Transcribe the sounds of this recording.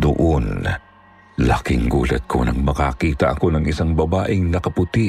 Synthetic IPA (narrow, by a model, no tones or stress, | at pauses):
d̪ʊʔon | lɐ̰kɪŋɡṵːlɐ̰t̪̚kʰo̞̰nɐ̰ŋmɐkakiːt̪ɐʔɐko̞nɐŋɪsaŋbɐbaːʔɪŋnɐkɐpʊt̪i